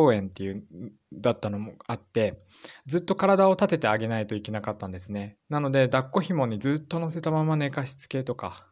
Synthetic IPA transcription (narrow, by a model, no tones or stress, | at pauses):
oːẽ̞nt̪ːe̞jɯ̟ | d̪at̪ːano̞mo̞at̪ːe̞ | d͡zɨt̪ːo̞kaɾad̪ao̞t̪at̪e̞t̪e̞aɡe̞nait̪o̞ike̞nakat̪ːãnd̪e̞sɨne̞nano̞d̪e̞d̪akːo̞çimõ̞ɲ̟ːid͡zɨːt̪ːo̞no̞se̞t̪amamane̞kaɕi̥t͡sɨ̥ke̞t̪o̞ka̰